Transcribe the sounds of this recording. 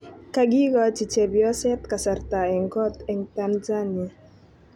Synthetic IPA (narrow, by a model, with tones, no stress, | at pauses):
ka˨ɡi˦ɡɔ˨t͡ʃi˨t͡ʃɛ˨bjɔ˦sɛ˦t̪ka˨sa˨rta˨ɛ˨ŋɡɔ˦tɛ˨ŋta˦nza˦ni˨a˨